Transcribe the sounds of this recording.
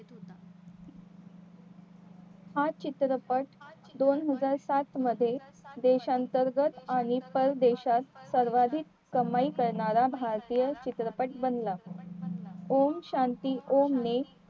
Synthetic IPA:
hat͡ɕit̪ɾəpəʈd̪onɦəd͡zaɾsat̪məd̪ʱːjed̪eɕant̪əɾɡət̪aɽ̃ipəɾd̪eɕat̪səɾʋad̪ʱiːk̪ | kəmaikəɾɳaɾabʱaɾt̪ijət͡ɕit̪ɾəpəʈ̚bənla | omɕant̪iːʔomne

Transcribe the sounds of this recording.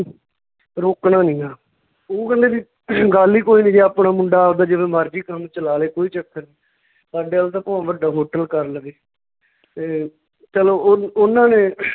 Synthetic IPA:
ɾoːknaːnĩːaː | oːkə̃nd̪eːʋiː | ɡaliːkoːiːnĩːd͡ʒeːaːpɳaːmʊ̃ɳɖaːd̪aːd͡ʒɪʋẽːmaːɾd͡ʒiːkəmt͡ʃəlaːleːkoːiːt͡ʃəkʰːəniː | saːɖeːaːlt̪ãːpõːʋəɖaːɦoːʈəlkəɾləɡeː | t̪eː | t͡ʃəloːʊnãːnẽː

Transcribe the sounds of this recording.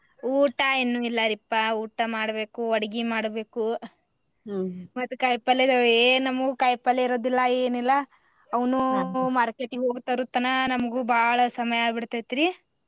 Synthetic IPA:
uːʈɐenːuilːɐɾipːɐuːʈɐmaːɽɐbe̞ːkuɐɽɐɡimaːɽbe̞ːku | mɐt̪ːukɐjpɐled̪ɐeːnɐmɐɡukɐjpɐlːeiɾoːd̪ilːɐeːnilːɐ | ɐʋɐnumaːɾkeʈiɡɦo̞ːɡt̪ɐɾut̪ɐnɐnɐmɐɡubʱaːɭɐsɐmɐjaːbiɽt̪ajt̪iɾi

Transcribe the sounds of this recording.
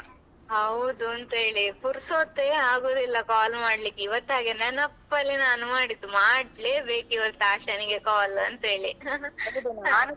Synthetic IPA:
ɦɐwd̪uɐnt̪ɐɦeːɭipuɾsoːt̪ːeːaːɡoːd̪ilːɐkaːlmaːɽlikːiʋɐt̪ːaːɡenɐnɐpːɐlːinaːnumaːɽit̪ːumaːɖleːbeːkiʋɐt̪ːaːʃɐniɡekaːlɐnt̪ɐɦe̞ːɭiɐd̪a

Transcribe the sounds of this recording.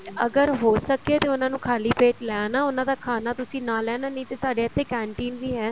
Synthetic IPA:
əɡəɾɦoːsəkeːt̪eːʊnãːnũːkʰaːliːpeːʈlɛːnaːʊnãːd̪aːkʰaːnaːt̪ʊsĩːnãːlɛːnaːnə̃ĩt̪eːsaːɖeːət̪ʰːeːkɛ̃ːɳʈiːnʋiːɦɛː

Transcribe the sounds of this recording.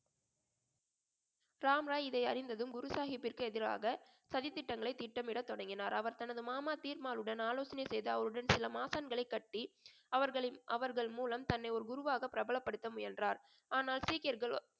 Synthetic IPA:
ɾaːmɾaːɪðɐɪɐɾɪnd̪ɐðɯmɡʊɾʊsaːxɪpːɪrkɯɛðɪɾa̰ːɣɐsɐðɪt̪ːɪʈːɐŋɡɐɭɐɪt̪ːɪʈːɐmɪɽɐt̪ːɔɽɐŋɡɪnaːɾɐʋɐɾt̪ɐnɐðɯmaːmaːt̪iːɾmaːlɯɽɐnaːloːsɐnɐɪsɛjðɯɐʋɐɾɯɽɐnsɪlɐmaːsaːnɡɐɭɐɪkːɐʈːi | ɐʋɐɾɣɐɭʔɐʋɐɾɣɐɭmuːlɐmt̪ɐnːɐɪɔɾɯɡʊɾʊʋaːɣɐpːɪɾɐbɐɭɐpːɐɽɯt̪ːɐmʊjɐndraːɾ | aːnaːlsiːkɐɾɣɐɭ

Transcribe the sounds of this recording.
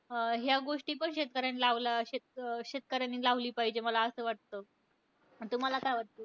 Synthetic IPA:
əɦjaɡoʂʈiːpəɳɕet̪̚kəɾjanilaʋlaɕet̪ɕet̪̚kəɾjaniːlaʋliːpaɦid͡ʑeməlaəsəːʋaʈ̚t̪o | t̪um̤alakajʋaʈ̚t̪oː

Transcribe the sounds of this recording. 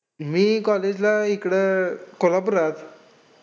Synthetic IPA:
miːkɔled͡ʑlaikɽəkolapuɾat̪

